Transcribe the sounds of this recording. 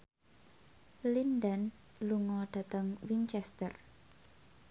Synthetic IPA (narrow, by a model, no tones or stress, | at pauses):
lindən | luŋɔɖ̥a̤t̪əŋwint͡ʃɛst̪ər